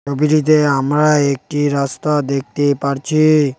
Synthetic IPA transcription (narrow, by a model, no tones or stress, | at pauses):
obiʈit̪̬eamɾaek̚ʈiɾast̪ad̪ek̚ʰt̪epaɾt͡ɕʰi